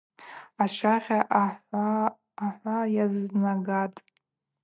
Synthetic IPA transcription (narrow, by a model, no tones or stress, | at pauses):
aʃʷaʁʲaʔħaː | ħʷajaznaɡatʼ